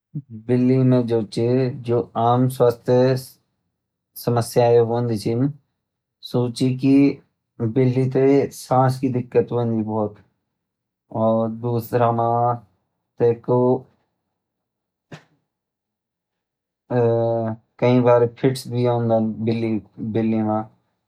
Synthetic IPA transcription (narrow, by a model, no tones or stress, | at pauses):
bɪlːimẽd͡ʒoːt͡ʃed͡ʒoːaːmswaːst̪ʰjə | sɐməsjaːeɦõnd̪it͡ʃim | soːt͡ʃiki | bɪlːit̪̬esãːskid̪ɪkːət̪ɦõnd̪ibɔːt̪ | ɔːɾd̪uːsɾamãː | t̪eːko | kɐĩbaːɾepʰɪʈsbʱiõːnd̪abɪlːibɪlːimãː